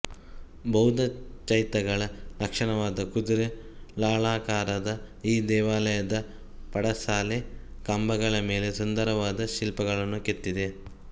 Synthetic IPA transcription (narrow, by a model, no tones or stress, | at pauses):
bɐɦud̪ʱɐt͡ʃɐjt̪ɐɡɐɭɐɾɐkʂɐɳɐʋaːd̪ɐkud̪uɾelaːɭaːkaːɾɐd̪ɐ | iːd̪ɛːʋaːlɐjɐd̪ɐ | pɐɽɐsaːle | kɐmbɐɡɐɭɐme̞ːle̞sund̪ɐɾɐʋaːd̪ɐʃilpɐɡɐɭɐnːuket̪ːid̪e̞